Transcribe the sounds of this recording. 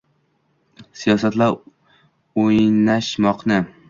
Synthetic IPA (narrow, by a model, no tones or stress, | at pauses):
sijɒsat̪laɾ | ojnaʃmɒqnɪ